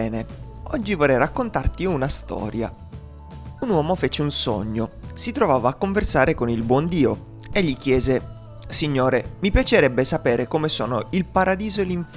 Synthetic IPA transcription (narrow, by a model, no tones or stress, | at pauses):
ɛːne | ɔ̰d͡ʒːivɔrːɛjrakːont̪art̪iunast̪ɔ̰ːɾja̰ | unwɔːmofɛt͡ʃeunso̰ɲːosit̪ɾovaːvaːkːoɱversaːɾekonilbwɔnd̪iːo | eʎːik̟jɛːze | siɲːoːɾemipjat͡ʃeɾɛbːesapeːɾekomeso̰ːnoilpaɾad̪iːzoeliɱf